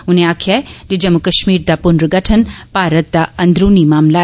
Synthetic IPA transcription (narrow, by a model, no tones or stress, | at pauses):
ʊnẽaːkʰjaed͡ʑed͡ʒɐmukɐʃmiːɾd̪apʊnɾɡɐʈʰənpaːɾət̪̚d̪aɐ̃nd̪ɾuːnimaːmla